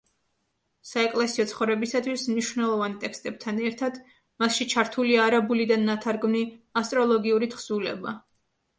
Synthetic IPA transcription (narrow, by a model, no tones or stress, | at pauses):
saɛkʼlɛsiɔt̪sʰχɔvɾɛbisat̪ʰwismniʃvnɛlˠɔvant̪ʼɛkst̪ʼɛb̚t̪ʰanɛɾt̪ʰad̪̥ | masʃit͡ʃʰaɾt̪ʰuliaːɾabulid̪anːat̪ʰaɾɡmniast̪ʼɾɔlˠɔɡiuɾit̪χz̥ulɛ̰ba